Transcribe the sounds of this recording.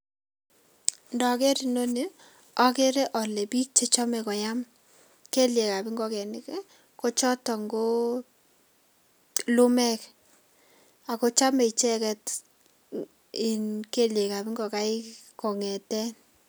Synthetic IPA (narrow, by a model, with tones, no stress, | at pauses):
ndɔ˨ke˦ɾi˨no˦ni˦ | ɔ˦ke˦ɾe˦ʔɔ˨le˨bi˦k̚t͡ʃe˦t͡ʃɔ˦mɛ˨kɔ˨ja˦m | ke˦lje˨ka˨bi˦ŋɡɔ˦kɛ˨nɪ˦kɛ˦ | ko˦t͡ʃɔ˦tɔ˨ŋɡo˦ | lu˦mɛ˦k | a˨ko˦t͡ʃa˦me˨i˨t͡ʃɛ˦kɛ˨t | i˨nke˦lje˨ka˨bi˦ŋɡɔ˨ka˦ɪ˦kɔ˨ŋɛ˨tɛ˦